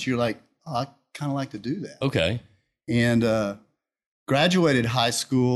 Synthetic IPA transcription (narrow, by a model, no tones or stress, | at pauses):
t͡ʃjə˞laɪk̚ | oaɪkʰãɪ̃ndəlaɪk̚tʰɨdɨðæt̚oʊkʰḛɪ | ɨ̃nʌ | ɡ̥ɹæd͡ʒueɪɾɨd̚ɦaɪsku